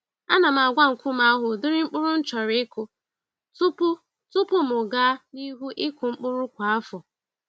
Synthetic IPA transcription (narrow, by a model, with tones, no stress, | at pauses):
a˦na˨m˨a˨ɡʷa˦ŋ̩˨kʷʊ˦m̩a˦a˦ɦʊ˨dʊ˦ɾɪ˦ŋ͡m̩˦k͡pʊ˦ɾʊ˦n̩˦t͡ʃɔ˨ɾɪ˨˦ɪ˦kʊ˨ | tʊ˦p | tʊ˦pʊ˦mʊ˨ɡa˦ni˦ɦu˦ʔɪ˦kʊ˨ŋ͡m̩˦k͡pʊ˦ɾʊ˦kʷa˨a˦fʊ˨